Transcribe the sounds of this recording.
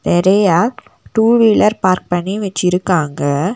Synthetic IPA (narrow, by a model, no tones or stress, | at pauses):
t̪ɛɾɐjaː | ʈuːʋiːlɐɾpaːɾk̚pɐɳːiʋɛt͡ʃːɪɾɯkːaːŋɡɐ